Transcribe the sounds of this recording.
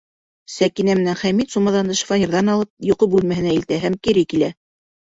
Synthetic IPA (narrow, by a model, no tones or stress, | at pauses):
sækinæmɘ̆nænχæmit̪sumɑðɑnd̪ɤʃ̆fɑnʲiɾðɑnɑlˠɤp̚jŏqɤp̚bʉlmæhɘ̆næilt̪æɦæmkiɾɘkilæ